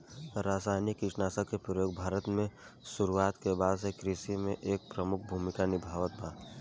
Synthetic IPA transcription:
ɾaːsaːɪnjəkɪʈnaːsakepɾəjoːɡbʱaːɾət̪mẽsʊɾuaːt̪kebaːd̪sekɾisimẽʔeːk̚pɾəmʊk̚ʰbʱuːmɪkanɪbʱaːʋət̪̚baː

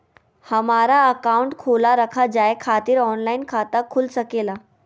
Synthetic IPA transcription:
həmaɾaəkauɳʈkʰolaɾəkʰad͡zajekʰat̪iːɾɔnlainkʰat̪akʰuːlsəkela

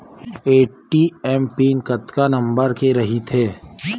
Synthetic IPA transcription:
eːʈʈiɛːmpiːnkɐt̪kanɐ̃mbəɾkeɾɐɦit̪ʰeː

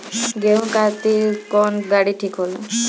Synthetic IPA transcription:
ɡeɦũkat̪ikɔnɡaɽiʈʰikɦolɔ

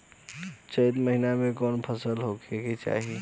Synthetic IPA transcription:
t͡ʃəjt̪məɦinamekɔnpʰəsəlɦokʰeket͡ʃa̰ɦi

